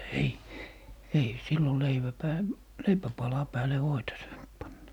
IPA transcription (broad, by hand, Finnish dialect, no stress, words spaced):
ei ei silːo leiʋæ pæː leipæpɑlɑ pæːle ʋoitɑ sɑːnt pɑnːɑ